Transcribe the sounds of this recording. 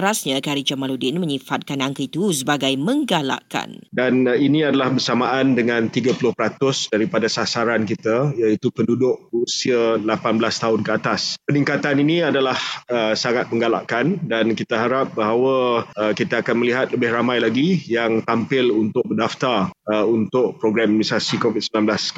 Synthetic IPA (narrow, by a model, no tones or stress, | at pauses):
ɾasɲãkaɾid͡ʒamaludɪnməɲifat̪̚kanaŋkəit̪usəbaɡajmə̃ŋɡala̰ʔka̰ndaninĩadalahbərsamaʔandəŋãnt̪iɡapulʊhpəɾat̪ʊsdaɾipadasasaɾankit̪ajait̪upəndudʊʔ̚bəusialapanblast̪aɦʊnkəat̪aspənĩŋkat̪aniniadalahəsaŋat̪̚məŋɡala̰ʔkandankit̪aɦaɾap̚baɦawaəkit̪aːkanməliɦat̪̚ləbɪhramãjlaɡijaŋt̪ampɪlunt̪ʊk̚bədaft̪arəunt̪ʊʔ̚pɾoɡɾamnisasikovit̪̚səmbnãmblas